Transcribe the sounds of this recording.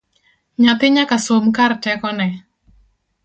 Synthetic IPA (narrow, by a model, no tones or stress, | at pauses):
ɲat̪ɪɲakasomkartɛkɔnɛ